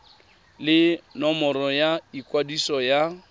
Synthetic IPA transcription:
lɪnɔmɔɾɔjaikʼwadisɔja

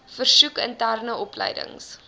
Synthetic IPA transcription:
fərsukəntærnəɔplə̰jdə̰ŋs

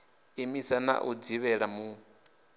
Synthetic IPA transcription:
imisana̰ʔud͡ziβɛɺamu

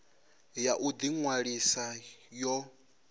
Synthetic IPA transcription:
jaʔud̪iŋwaɺisajɔ

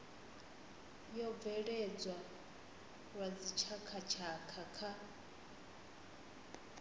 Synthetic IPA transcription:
jɔb̪vɛɺɛd͡zwa | ɺwad͡zit͡ʃʰakʰat͡ʃʰakʰakʰa

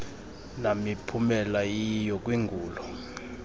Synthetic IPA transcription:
namipʰumɛlajijɔk̬ʼwiŋɡʱuːlɔ

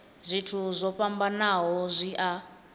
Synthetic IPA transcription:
zʷitʰuzʷɔɸʼambanaɦɔzʷiʔa

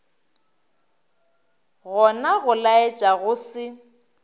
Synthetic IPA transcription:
ɣɔnaɣʊlaet͡ʃʼaɣʊsɪ

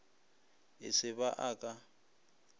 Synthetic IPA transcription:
ɪ̰sɪβaʔaːkʼa

